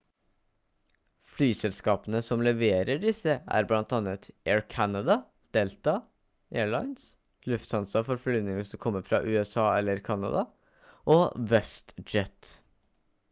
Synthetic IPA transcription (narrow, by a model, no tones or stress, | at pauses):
flyːsɛlskɑːpənəsɔmlɛʋeːɾəɖɪsəæ̰ːɾblɑnt̪ɑnət̪ʔeːɹkʰænɑd̪ɑ | d̪̥ɛːlt̪ɑ | ʔeːɹɭɑɪns | lʉft̪sɑnsɑfɔɾflyːnɪŋəsɔkʰɔmːəfɾɑʔʉːɛsɑːɛlːəɾkʰɑnɑ̰d̪ɑ | ʔoːʋɛst̪d͡ʒɛt̪